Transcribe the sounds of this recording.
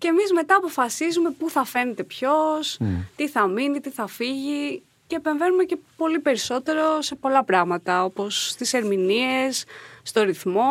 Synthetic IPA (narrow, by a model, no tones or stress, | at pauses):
ceːmizme̞t̪ɐːpo̞fɐsizume̞puθɐfe̞net̪e̞pço̞st̪iθɐminit̪iθɐfiʝi | ce̞ːpe̞ɱve̞numece̞po̞lipe̞ɾiso̞t̪e̞ɾo̞se̞po̞lɐpɾɐɣmɐt̪ɐo̞po̞st̪ise̞ɾminiesːt̪o̞ɾiθmo̞